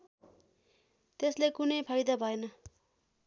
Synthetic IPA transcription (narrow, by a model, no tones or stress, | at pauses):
t̪eslekunʌjpʰajd̪abʱʌenʌ